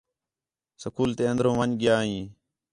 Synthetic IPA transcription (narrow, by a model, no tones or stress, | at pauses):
səkuːlt̪eːənd̪ɾõːʋəɲɡɪjaːɦĩː